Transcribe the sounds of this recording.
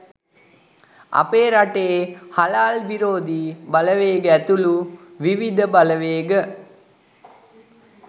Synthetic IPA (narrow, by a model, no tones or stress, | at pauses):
a̰peːɾaʈeːhalaːlʋiɾoːd̪iːbaləʋeːɡəæt̪uluʋiʋid̪ʱəbaləʋeːɡə